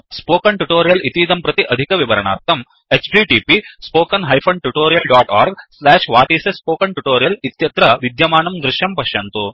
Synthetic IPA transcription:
spoːkɐɳʈuʈoːɾijɐlit̪iːd̪ɐmpɾɐt̪iʔɐd̪ʱikɐʋiʋɐɾɐɳa̰ːɾt̪ɐm | et͡ʃʈiʈiːpispoːkɐnɦɐjpʰɐɳʈuʈoːɾijɐlɖaːʈaːɾɡslɛːʂʋaːʈiːsespoːkɐɳʈuʈoːɾijɐlit̪jɐt̪ɾɐʋid̪jɐmaːɳɐmd̪ɾɪʃjɐmpɐʃjɐnt̪u

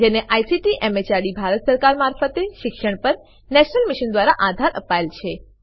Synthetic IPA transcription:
d͡ʒeneʔajsiʈiʔemet͡ʃaɽibʱaɾət̪səɾkaɾmaɾfət̪eʃɪkʃəɳpəɾ | nɛʃnəlmiʃənd̪ʋaɾaʔad̪ʱaɾʔəpaelt͡ʃʰe

